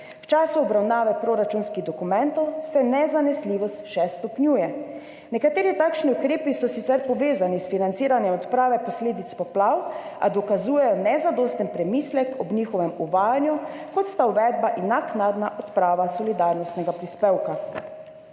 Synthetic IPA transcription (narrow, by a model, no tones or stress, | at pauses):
wt͡ʃaːsuɔbɾawnaːʋɛpɾoɾat͡ʃunskiɣd̪ɔkumɛnt̪ɔwsɛnɛzanɛsliːʋɔst̪ʃɛst̪ɔpnʲjuːjɛ | nɛkat̪eːɾit̪aːkʃniukɾeːpisɔsit̪sɛɾpɔʋeːzanisfinant̪siːɾanjɛmɔt̪pɾaːʋɛpɔsleːd̪it̪spɔplawa̰d̪ɔkazuːjɛjɔnɛzad̪oːst̪ɛnpɾɛmiːslɛkʰɔbnixɔʋɛmuʋaːjanjukɔt̪st̪auʋɛd̪̚baʔinaknad̪naʔɔt̪pɾaːʋasɔlid̪aɾnɔst̪nɛɡapɾispeːwka